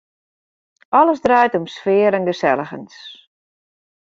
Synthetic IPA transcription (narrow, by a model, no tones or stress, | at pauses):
ʔɔləsdrajtɔmsfɪəɾənɡəsɛlˠəxə̰ns